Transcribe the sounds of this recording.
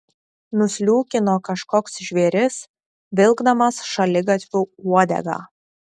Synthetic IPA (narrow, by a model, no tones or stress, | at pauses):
nʊsʲlʲuːkʲɪnoːkɐʃkɔːksʒʲʋʲeːɾʲɪs | ʋʲɪlˠɡd̪ɐmɐsʃɐlʲɪɡɐt̪ʲʋʲuːuɔd̪ʲɛ̰ɡɑ̰ː